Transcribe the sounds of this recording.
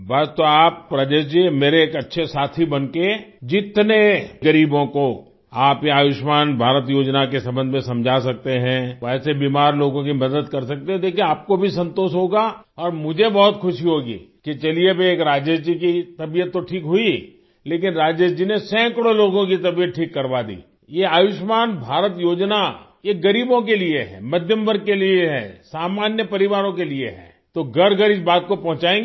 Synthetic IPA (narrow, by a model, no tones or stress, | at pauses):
bɐst̪oaːpːɾaːd͡ʒeːʃd͡ʒimeːɾeeːkɐtːʃʰesaːt̪ʰibɐnked͡ʒɪt̪neɡɐɾiːbõko | aːpjeaːʋɪʃmaːnbʱaːɾət̪̬joːd͡ʒnakesɐ̃mbə̃nd̪ʱmẽsɐ̃md͡ʒʱas̬ɐk̚t̪eɦɛ̃ɛːsebiːmaːɾloːɡõkimɐd̪əd̪kɐɾsɐk̚t̪eɦɛ̃d̪eːkʰieaːp̚kobʱisɐ̃nt̪oːʃɦoːɡa | ɔːɾmʊd͡ʒʱebɔɦʊt̪xʰʊʃiɦoːɡḭːket͡ʃɐliebʱeeːkɾaːd͡ʒəd͡ʒd͡ʒikit̪ɐbijət̪ːoʈʰiːkɦʊi | leːk̬ɪnɾaːd͡ʒəd͡ʒd͡ʒinesɛ̃ːkɽoloːɡõkit̪ɐbijət̪̚ʈʰiːkːɐɾʋad̪ḭː | jeaːʋɪʃmaːnbʱaːɾət̪joːd͡ʒna | jeɡɐɾiːbõk̬elieɦɛ̰mɐd̪ʱjəmbəɾkelieɦɛ̰saːmaːnjəpɐɾɪʋaːɾõkelieɦɛ̰ː | t̪oɡɐɾɡəɾɪsbaːt̪̚kopɐ̃ɦʊ̃t͡ʃaːẽːŋɡ